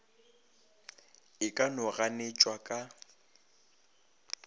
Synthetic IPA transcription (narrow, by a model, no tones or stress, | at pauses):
ɪkʼanʊɣanet͡ʃʼwakʼa